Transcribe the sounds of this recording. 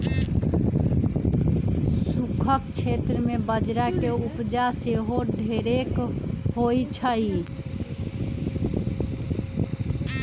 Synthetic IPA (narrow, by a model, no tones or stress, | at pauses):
sukʰəkt͡ʃʰet̪ɾəmebəd͡ʒɾakeupd͡ʒaseɦoɖʱeɾekɦojt͡ʃʰəi